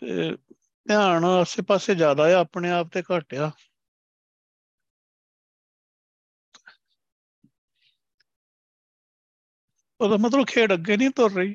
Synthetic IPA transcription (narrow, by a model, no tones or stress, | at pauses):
t̪ḛː | t̪jaːɳəseːpaːseːd͡ʒjaːd̪aːaːəpɳeːaːp̚t̪eːkaːʈjaː | ət̪aːmət̪̬ləbkʰeːɖəɡːeːnĩːt̪oɾːəiː